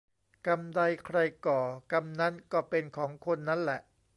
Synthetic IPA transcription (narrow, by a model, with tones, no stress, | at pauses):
ka˧mda˧jkʰɾa˧jkɔː˨˩ka˧mna˦˥nkɔː˥˩pe˧nkʰɔː˩˦ŋkʰo˧nːa˦˥nlɛ˨˩ʔ